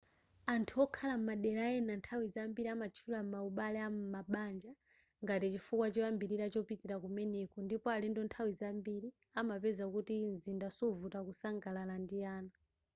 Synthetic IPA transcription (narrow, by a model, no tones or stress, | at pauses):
antʰuɔkʰalam̩maɗɛlaɛnantʰawizambiɾiamat͡ʃʰulam̩mauɓalɛammaɓand͡ʒa | ŋɡatit͡ʃifukwat͡ʃɔambiɾiɾat͡ʃɔpitiɾakumɛnɛkɔndipɔalindɔntʰawizambiɾi | amapɛzakutinzindasɔvutakusaŋɡalalandijaːna